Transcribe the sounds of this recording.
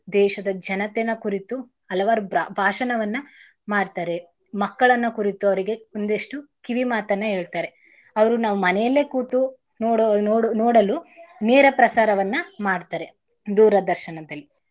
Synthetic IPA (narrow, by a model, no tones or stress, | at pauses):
d̪ɛːʃɐd̪ɐd͡ʒɐnɐt̪enɐkuɾit̪u | ɐlɐʋaːɾubbʱaːʂɐnɐʋɐnːɐ | maːɖt̪aːɾe̞ | mɐkːɐɭɐnːɐkuɾit̪uɐʋɐɾiɡe̞ond̪eʂʈukiʋimaːt̪ɐnːɐɦeːɭt̪aːɾe̞ | ɐʋɐɾunaːʋumɐnɛjɐlːeːkuːt̪u | nː | noːɽɐlunɛːɾɐpɾɐsaːɾɐʋɐnːɐmaːɖt̪aːɾe̞ | d̪uːɾɐd̪ɐɾʃɐɳɐd̪ɐlːi